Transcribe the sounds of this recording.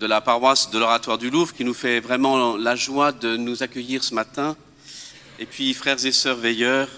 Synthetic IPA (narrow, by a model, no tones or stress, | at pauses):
d̪əlapaʁwasd̪əlɔʁat̪waʁd̪yluvkʲinufɛvʁɛmɑ̃laʒwad̪ənuzakʲəjiʁsəmat̪ɛ̃ | epɥifχɛʁzesœʁvɛjœːʁ